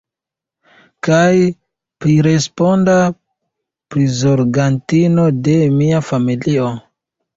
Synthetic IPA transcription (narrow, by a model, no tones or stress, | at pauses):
kaj | pɾiɾe̞spo̞nda | pɾizoɾɡantino̞de̞miafamilio̞